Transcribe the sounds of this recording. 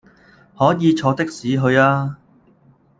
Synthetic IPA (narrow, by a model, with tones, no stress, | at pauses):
hɔː˨˥jiː˨˧t͡ʃʰɔː˧t̪ɪ˥k̚siː˨˥ɦɵ˧ɥaː˥